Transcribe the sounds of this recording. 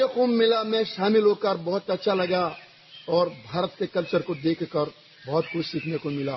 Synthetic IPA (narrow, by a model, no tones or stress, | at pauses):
exuːmːɪlamɛ̃ʃaːmɪlɦokəɾbɔɦʊt̪ɐtːʃʰalɐɡa | ɔːɾbʱaːɾət̪kekɐlt͡ʃəɾkod̪eːkʰkəɾ | bɔɦːt̪kʊt͡ʃʰsiːkʰnekomɪlaː